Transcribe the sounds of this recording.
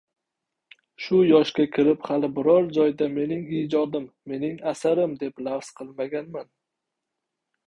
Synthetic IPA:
ʃʊjɒʃkʲakʲʰɪɾɪphalɪbɪɾɒɾd͡ʒɒjd̪ame̞nɪŋid͡ʒɒd̪ɪmːe̞nɪŋasaɾɪmd̪e̞plafsqʰɨlˠmaɡʲanman

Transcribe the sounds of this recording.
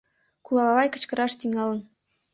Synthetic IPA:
kulɑβɑβɑjkɤ̆t͡ɕkɤ̆ɾɑʃt̪yŋɑlə̆n

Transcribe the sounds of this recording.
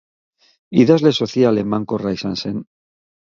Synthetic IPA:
iðazlesoθialemaŋkorajsansen

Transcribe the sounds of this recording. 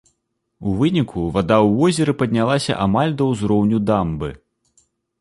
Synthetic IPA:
uvɨnʲikʰuvad̪awvɔzʲɛɾɨpɐd̪ʲnʲalˠasʲɐ̰ʔamalʲd̪ɐwzɾɔwnʲud̪ambɨ̰

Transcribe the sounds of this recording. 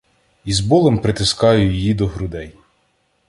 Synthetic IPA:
izbɔlˠempɾɪt̪ɪskɑjʊjɪjid̪ɔɦɾʊd̪ɛj

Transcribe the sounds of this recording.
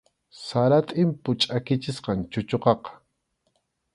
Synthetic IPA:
saɾat̪ʼɪmpʊt͡ʃʼakɪt͡ʃɪsqɑnt͡ʃʊt͡ʃoqɑqɑ̥

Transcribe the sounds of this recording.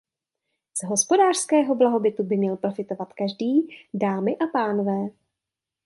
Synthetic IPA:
z̥ɦo̞spo̞daːr̥skɛːɦo̞blaɦo̞bɪt̪ubɪmɲɛlpɾo̞fɪt̪o̞vat̪kaʒdiːdaːmɪʔapaːnovɛː

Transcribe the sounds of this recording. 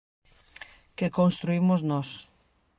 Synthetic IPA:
kekonst̪ɾuimoznɔs

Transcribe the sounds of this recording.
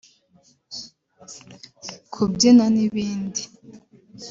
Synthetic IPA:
kʰubɟinaniβiːndi

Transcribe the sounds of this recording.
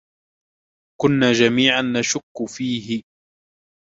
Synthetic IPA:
kʊnːaːd͡ʒamiːʕanːaʃʊkːfiːɦɪ

